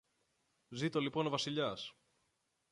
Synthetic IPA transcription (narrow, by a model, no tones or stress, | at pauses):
zit̪o̞lipo̞no̞vɐsiʎɐs